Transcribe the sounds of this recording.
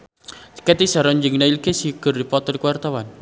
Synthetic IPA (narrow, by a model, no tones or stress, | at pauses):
kɛt̪isaɾɔɲd͡ʒəŋnailkesiɡ̥ərdipɔt̪ɔlikwart̪awan